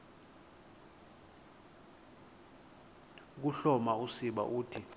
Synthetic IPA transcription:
k̬uɬɔmausiɓa̰ʔuːtʰi

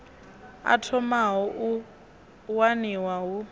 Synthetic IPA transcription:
a̰tʰɔmaɦɔʔu | waniwaɦu

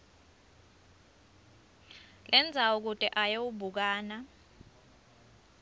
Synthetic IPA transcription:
lɛnd͡zʱawuk̬utʼɛʔajowubʱuk̬aːna

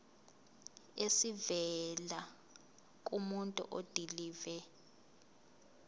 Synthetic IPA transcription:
esivɛla | k̬ʼumuntʼṵʔod̥ʱiliːvɛ

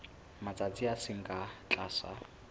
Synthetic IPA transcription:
mat͡sʼat͡sʼiasɪŋ̩kʼat͡ɬʼaːsa̰

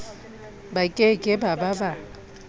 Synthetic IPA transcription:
bakʼekʼɪbababa

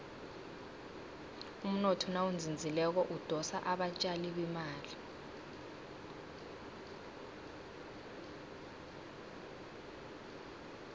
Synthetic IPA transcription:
um̩nɔtʰɔnawund͡zʱind͡zʱilɛk̬ɔʔud̥ʱɔsa̰ʔaɓat͡ʃʼaliɓ̬imaːli

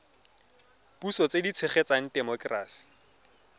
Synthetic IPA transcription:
pusɔt͡sedit͡sʰeχɛt͡saŋ̩tɛmɔkraːsi̥

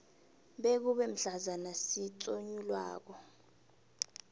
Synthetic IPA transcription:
ɓek̬uɓɛm̩ɬazanasit͡sʼoɲulwa̰ːk̬ɔ

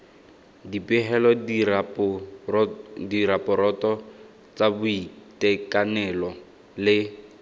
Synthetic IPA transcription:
dipʼɪɦɛlɔd | diɾapʼɔɾɔtɔ | t͡sabʊitʼɛkʼanɛlɔ | lɪ

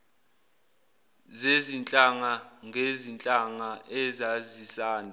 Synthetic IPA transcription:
zezint͡ɬʼaŋaŋʱezint͡ɬʼaŋaʔɛzazisaːnʱa

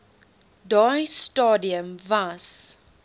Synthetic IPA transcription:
dɔjstɔdiə̃mvas

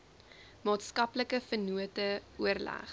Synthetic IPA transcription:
mɑːtskɐpləkəfənuətəuərlæ̰χ

